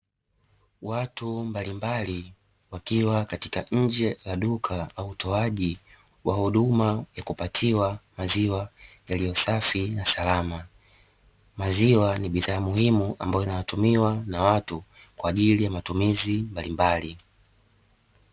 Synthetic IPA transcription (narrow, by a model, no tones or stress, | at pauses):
watumbalimbali | wakiwakati̥kaɲ̩d͡ʒɛlaɗukʰaauutʰɔaʄi | wahuɗumajakupatʰiwamaziwajalijɔsafinasalama | maziwaniɓiðaːmuhimuʔa̰mbajɔinawatumiwanawatukwaːʄilijamatumizimbalimbali